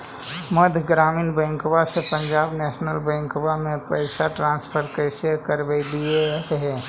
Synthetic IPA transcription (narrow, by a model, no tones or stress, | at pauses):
məd̪ʱɡɾaːmiːnbɛ̃ːŋkbasepə̃ɲd͡ʒaːbnɛːʃnəlbɛ̃ːŋkbamẽpəɪsaʈɾãːnspʰəɾkəɪsəkəɾbəd̪ieɦɛː